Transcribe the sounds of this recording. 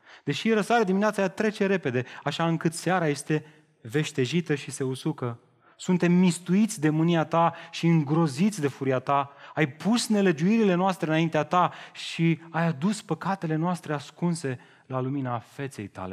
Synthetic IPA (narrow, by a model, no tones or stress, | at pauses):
d̪̥e̞ʃiɾəsaɾed̪imineat̪sajat̪ɾe̞t͡ʃe̞ɾe̞pe̞d̪e̞aʃaɨŋkɨt̪seaɾaje̞st̪e̞ | ve̞ʃt̪e̞ʒit̪əʃise̞usukə | sunt̪e̞mːist̪uit̪sʲd̪e̞mɨniat̪aʃiɨŋɡɾo̞zit̪sʲd̪e̞fuɾiat̪aajpusne̞le̞d͡ʒuiɾile̞noast̪ɾeɨnaint̪eat̪aʃiajad̪uspəkat̪e̞le̞noast̪ɾe̞askunse̞ | laluminafe̞t̪se̞̰jt̪a̰le̞̰